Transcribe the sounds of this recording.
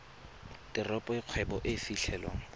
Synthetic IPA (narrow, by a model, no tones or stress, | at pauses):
tʼɪrɔpʼɔɪq͡χʰwɛbɔʔɪfiɬʰɛːlwa̰ŋ̩